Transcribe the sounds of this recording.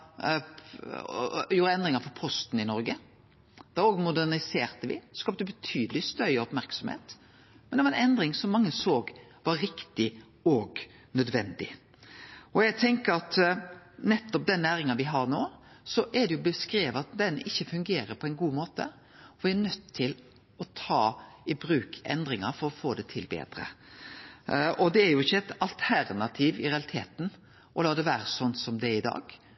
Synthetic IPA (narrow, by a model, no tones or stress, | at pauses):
juːɾəɛnd̪ɾɪŋɑɾfɔɾpʰɔst̪n̩ɪnɔɾɡə | d̪̥ɛɾoːɡmʊd̪ænɪseːɾt̪əʋɪ̰skɑːp̚d̪əbət̪ʰyːd̪əlɪst̪œɾəɔpmæɾksɔmhḛːt̪ | mɛnd̪ɛʋɑɛnɛnd̪ɾɪŋsɔmːɑŋːəsoːɡʋɑɾɾɪkt̪ɪ | ɔɡ | nœd̪ʋɛnd̪ɪ̰ | ɔjæɪt̪ʰɛŋkəɾɑt̪ | nɛt̪ːɔp̚d̪ɛnːæːɾɪŋɑnʋɪɦɑɾnoːsɔʔɛd̪ɛjʊbəskɾeːʋəɑt̪̚d̪ɛnɪçːəfʉŋɡeːɾəpʰɔɛɪnɡuːmoːt̪ə̰ | ɔʋɪæɾnœt̪ʰːɪl | ɔt̪ʰɑːɪbɾʉːkʰɛ̰nd̪ɾɪŋɑɾfɔɾɔfoːd̪ɛt̪ʰɪlbḛːd̪̥ɾə̰ | ɔd̪ɛːɾjʊɪçːəɛt̪ɑlt̪ʰæɾnɑt̪ʰiːʋɪɾɛɑlɪt̪ʰeːt̪n | ʔɔlɑːd̪ɛʋæːɾəsɔnt̪sɔmd̪ɛɪd̪ɑ̰ːɡ̥